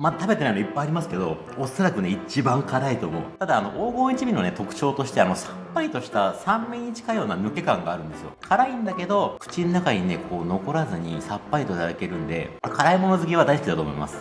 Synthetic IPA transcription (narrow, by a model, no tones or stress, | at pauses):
mat̪abe̞t̪e̞nainoipːaijaɾʲimasɨ̥ke̞d̪o̞ | osaɾakɯ̟ne̞it͡ɕibãŋkaɾait̪o̞ːmo̞̰ɯt̪ad̪aːno̞̰ʔoːɡo̞ːɲ̟it͡ɕibʲino̞ne̞t̪o̞kɯ̟̥t͡ɕo̞ːt̪o̞ɕi̥t̪e̞ano̞sapːait̪o̞ɕi̥t̪asãmmeɲ̟ːit͡ɕi̥kajo̞ːnamʲoke̞kãŋɡaːɾɯ̟nd̪e̞sɨjo̞̰kʰaɾaĩnd̪ake̞d̪o̞kɯ̟̥t͡ɕinːakaɲ̟ine̞kʰo̞ːno̞ko̞ɾazɨɲ̟ḭsapːait̪oit̪ad̪ake̞ɾɯ̟̃nd̪e̞̰kʰaɾaimo̞no̞zɨk̬ʲiβ̞ad̪aisɨ̥kʲid̪at̪o̞̰ːmoḭma̰sɨ̥